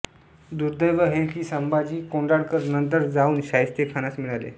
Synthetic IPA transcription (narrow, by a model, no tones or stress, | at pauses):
d̪uɾd̪əjʋəɦekiːsəmbad͡ʑiːkoɳɖaɽkəɾnənt̪̬əɾd͡zauːnɕajst̪ekʰañasmiɭalḛ